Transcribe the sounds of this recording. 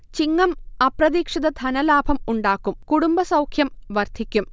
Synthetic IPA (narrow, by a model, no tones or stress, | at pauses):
t͡ɕiŋːɐmɐprɐðiːkʂiðɐd̪ʱɐnɐlaːbʱɐmuɳɖaːkːumkuɽumbɐsɐwkʰjɐmʋɐrd̪ʰʱikʲːum